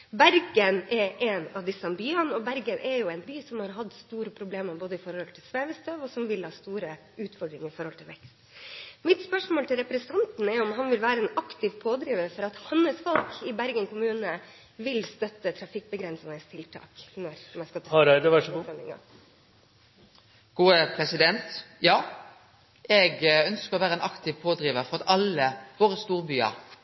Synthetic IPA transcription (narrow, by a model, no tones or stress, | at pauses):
bæɾɡənɛɾɛnɑʋd̪ɪsɑnbyənɔbæɾɡənʔɛɾjʊɛɪnbyːsɔmhɑɾɦɑd̪st̪uːɾəpʰɾʊbleːməɾboːd̪əɪfɔɾhɔlt̪ʰɪlsʋeːʋəst̪œːʋɔsɔmʋɪlhɑːst̪uːɾə | ʉːt̪fɔɖɾɪŋɪfɔɾhɔlt̪ɪlʋɛkst̪mɪt̪spœʂmoːlt̪ɪlɾɛpɾəsʰɑnt̪n̩ɛɾɔmɦɑnʋɪlʋæːɾəɛːnɑkt̪ɪʋpʰoːd̪ɾiːʋəɾfɔɾɑt̪hɑnːəsfɔlkɪbæɾɡənkʰʊmʉːnə | ʋɪlst̪œt̪ːət̪ʰɾɑfɪk̚ːbəɡɾɛnsənəst̪ʰɪlt̪ʰɑ̰ːknɔɾmɛɪskɑt̪ʋæʂɔmɪ̰ŋɑ̰ | ɡ̥uːəpʰɾɛsɪd̪ɛnt̪jɑː | ɛɡœnskəɾɔʋæːɾəɛːnʔɑkt̪ɪʋpʰoːd̪ɾiːʋəɾfɔʁɑt̪ɑləʋoːʁəst̪uːɾbyːɑ̰